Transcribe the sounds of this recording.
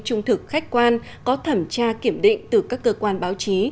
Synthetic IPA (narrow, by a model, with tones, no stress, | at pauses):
t͡ɕʊ˧ŋ͡mt̪ʰɨ˨˩k̚xa˦˥jk̟̚kwaː˧n | kɔ˨˦t̪ʰə˧˩mt͡ɕaː˧ki˧˩əmɗḭ˧˨ŋ̟t̪ɨ˨˩kaː˦˥kːəː˧kwaː˧nɓaː˨˦wt͡ɕi˨˦